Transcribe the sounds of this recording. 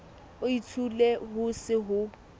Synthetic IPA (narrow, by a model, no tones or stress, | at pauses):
ʊitʰuleɦʊsɪɦʊ